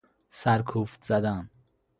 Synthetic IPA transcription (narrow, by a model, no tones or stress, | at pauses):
sæɾkʰuːft̪z̥æd̪æm